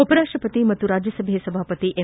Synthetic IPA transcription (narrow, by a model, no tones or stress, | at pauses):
opɐɾaːkʂʈɐpət̪imɐt̪uɾaːd͡ʒjəsəbʱesɐbʱaːpət̪iʔe